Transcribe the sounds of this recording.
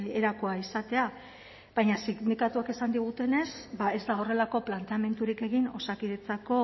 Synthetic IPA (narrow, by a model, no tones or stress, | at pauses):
eɾakoaisat̪e̞a | βajɲasiɣnikat̪uake̞sand̪iɣ̞ut̪e̞ne̞sbae̞zd̪ao̞re̞lako̞plant̪eame̞nt̪uɾike̞ɣino̞sakiðet͡sako̞